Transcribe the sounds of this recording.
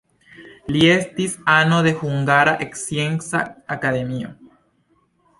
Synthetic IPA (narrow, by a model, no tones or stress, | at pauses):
ljest̪isanoðexuŋɡaɾaʔeksjeŋsaakaðemio